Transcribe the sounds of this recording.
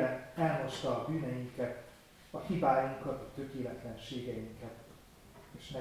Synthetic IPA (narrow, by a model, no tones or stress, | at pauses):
ɛnɛlɦo̞ʃt̪ɒːbyːnɛjiŋkɛt̪ | ɒhibaːjiŋkɒt̪ɒt̪ø̞keːlɛt̪lɛnʃeːɡɛjiŋkɛt̪ | eːʃmɛ